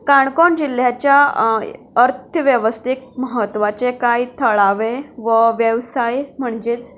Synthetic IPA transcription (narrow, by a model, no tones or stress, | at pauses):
kaɳkoɳd͡ʑil̤jat͡ɕja | əɾt̪ʰəʋjəʋəst̪ʰikməɦət̪ːʋat͡sekait̪ʰəɭaʋeʋəʋjəʋsajm̤əɳd͡ʑet͡s